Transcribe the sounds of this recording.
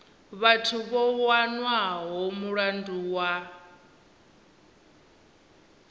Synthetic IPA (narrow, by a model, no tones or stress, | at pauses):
βatʰuβɔwanwaɦomuɺanduːwa